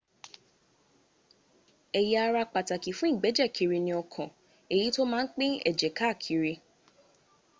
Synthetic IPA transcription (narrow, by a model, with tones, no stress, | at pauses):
ɛ˨ji˨˦a˧ɾa˧k͡pa˨ta˨ki˨fũ˦i˦˨ɡ͡bɛ˨˦d͡ʒɛ˦˨kʰi˨˧ɾi˧nĩ˧ɔ˧kʰɔ̃˨ | e˨ji˨˦to˦mãː˦n̩˦k͡pẽ˦ɛ̰˨d͡ʒɛ˨ka˦˨kʰi˨˦ɾi˧